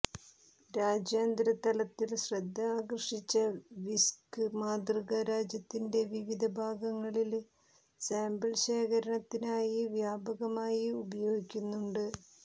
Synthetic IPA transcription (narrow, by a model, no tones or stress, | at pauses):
ɾaːd͡ʑjeːnd̪ɾɐt̪ɐlɐt̪ːilɕrɐd̪ʱːɐːkrɐʂit͡ɕːɐʋiskɨmaːd̪rɨɣɐɾaːd͡ʑjɐt̪ːinde̞ʋiʋid̪ʱɐbʱaːɡɐŋːɐɭil | saːmbɐlɕeːkɐɾɐɳɐt̪ːinaːjiʋjaːbɐɣɐmaːjiubɐjo̞ːɡikʲːunːuɳɖɨ